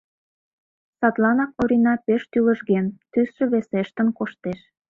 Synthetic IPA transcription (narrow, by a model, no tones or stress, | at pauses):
sɑt̪lɑnɑk̚oɾʲinɑpeʃt̪ylə̆ʒɣent̪ysʃə̆βeseʃt̪ə̆nkoʃt̪eʃ